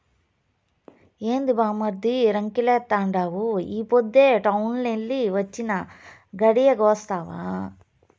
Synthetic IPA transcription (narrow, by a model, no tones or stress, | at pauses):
eːnd̪ubaːmɐɾd̪iɾɐŋkileːt̪ːaːɳɖaːʋuiːpod̪ːeʈɐwnlelːiʋɐt͡ʃːinɐ | ɡɐɽijɐɡoːst̪aːʋa̰